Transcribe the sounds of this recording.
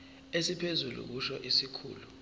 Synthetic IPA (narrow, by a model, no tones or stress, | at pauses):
esipʰezulṵk̬uʃɔʔisikʰṵːlu